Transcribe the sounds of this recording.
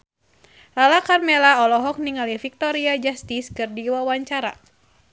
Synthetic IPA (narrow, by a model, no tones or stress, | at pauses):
lalakarmelaɔlɔɦɔk̚niŋalifik̚t̪ɔɾiad͡ʒast̪iskɨrdiwawaɲt͡ʃaɾa̰